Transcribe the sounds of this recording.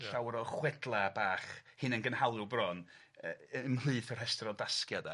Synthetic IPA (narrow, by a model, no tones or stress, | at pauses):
ɬawɾɔχwɛdlˠabaːχhɨnənɡənhalˠʊbrɔn | əəmlˠɨːθɔrhɛstrɔdaskjada